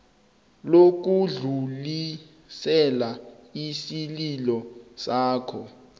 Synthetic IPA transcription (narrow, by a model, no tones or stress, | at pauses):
lok̬uɮuli | sɛlaisililɔsaːkʰɔ